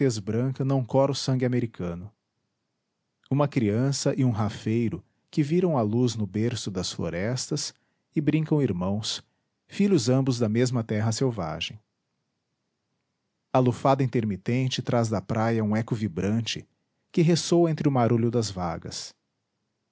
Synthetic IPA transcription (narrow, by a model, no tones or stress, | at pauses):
fezbɾɐ̃kɐnɐ̃w̃kɔɾʊsɐ̃ŋɡɪameɾikʰɐ̃nʊ | ũmɐkɾiɐ̃sɐʔɪũɦafejɾʊ | kɪviɾɐ̃w̃aluznʊbeɾsʊd̪ɐsflo̰ɾɛst̪ɐs | ɪbɾĩkɐ̃w̃iɾmɐ̃w̃s | fiʎʊzɐ̃mbʊzd̪ɐmezmɐt̪ɛɦɐsewva̰ʒẽj̃ | alufad̪ɐĩnt̪eɾmit̪ẽnt͡ʃɪt̪ɾazd̪ɐpɾʔajɐũɛkʊvibɾɐ̃nt͡ʃɪ | kɪɦesowẽnt̪ɾɪʊmaɾuʎʊd̪ɐzva̰ɡɐ̰s